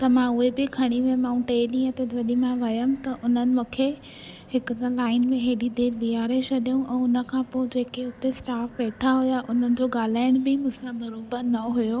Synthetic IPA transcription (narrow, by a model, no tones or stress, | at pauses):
t̪ɐmãʊɦebɪkʰɐɽ̃imẽmaːũʈeːɗĩːə̃t̪ɐd͡ʑɐɗimãʋɐjəmt̪ɐʔʊn̤ənɪ̆mũkʰe | ɦɪkʊt̪laːɪnmẽɦeɗid̪eːɾbiaːɾesʰɐɗijũʔɛ̃ːʊnə̆kʰãːpoːd͡ʑeːkeʊt̪esʈaːfʋeːʈʰaɦʊjaʔʊn̤ənɪ̆d͡ʑoːɡaːl̤aːɪɽ̃bɪmʊ̃sãbɐɾoːbənɐɦujoː